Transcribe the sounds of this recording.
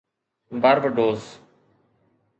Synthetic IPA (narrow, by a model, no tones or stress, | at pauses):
baːɾʋəɖoːz